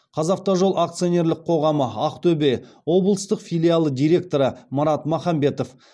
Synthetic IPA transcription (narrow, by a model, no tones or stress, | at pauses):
qʰɑzɑq̚t̪ɑʒo̞lˠʔakt̪sɨio̞ne̞ɾlɪqʰo̞ʁɑməɑqt̪ʰɵbe̞ | wo̞blˠəst̪əqfilʲialˠəd̪ijɾʲe̞k̚t̪o̞ɾəmɑɾɑt̪mɑχɑmbe̞t̪o̞f